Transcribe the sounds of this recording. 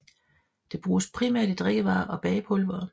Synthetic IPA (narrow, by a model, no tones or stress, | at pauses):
d̥e̝b̥ʁuːspʰʁimæɐ̰d̥id̥ʁeɡ̥əʋɑ̈ːʔɒ̽b̥ɛːpʰɔlʋɐ